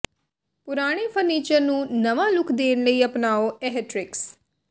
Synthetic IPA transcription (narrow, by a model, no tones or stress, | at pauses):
pʊɾaːɽ̃epʰəɾniːt͡ʃəɾnũːnəʋãːlʊkʰd̪eːñləiːəpnaːoɛɦɛʈɾɪks